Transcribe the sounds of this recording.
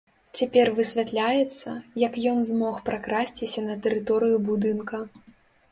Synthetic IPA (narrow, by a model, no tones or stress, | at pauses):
t͡sʲapʲɛrvɨsʲvʲat̪lʲajɛt̪sːɐjɐkjɔnzmɔxpɾakɾasʲt͡sʲisʲɐnɐt̪ɛɾɨt̪ɔɾɨjubud̪ɨnkɐ